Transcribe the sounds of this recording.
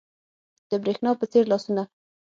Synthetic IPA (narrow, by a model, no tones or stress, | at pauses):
d̪̥əbɾexnɑpət͡seɾlɑsuna